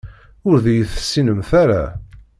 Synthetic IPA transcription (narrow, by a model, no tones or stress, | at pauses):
ʊɾðæjəθə̥sːinəmθæɾa̰